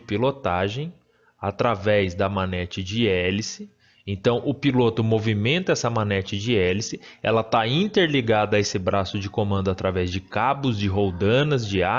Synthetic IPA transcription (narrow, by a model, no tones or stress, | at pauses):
pilot̪aʒẽj̃ | at̪ɾavɛzd̪ɐmanɛt͡ʃɪd͡ʒɪɛlisɪ | ẽnt̪ɐ̃w̃ʔʊpilot̪ʊmovimẽnt̪ɐɛsɐmanɛt͡ʃɪd͡ʒɪɛlisɪɛ̰lɐt̪aĩt̪eɾliɡad̪ɐesɪbɾasʊd͡ʒɪkomɐ̃nd̪ʊat̪ɾavɛzd͡ʒɪkabʊzd͡ʒɪɦowd̪ɐ̃nɐzd͡ʒɪa